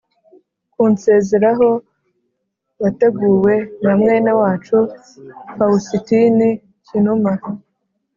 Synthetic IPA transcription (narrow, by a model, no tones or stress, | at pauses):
kuːnse̞ːze̞ɾaɦo̞ | βate̞ɡuːwe̞namŋe̞ːnawaːt͡ʃu | kausitini | cinuma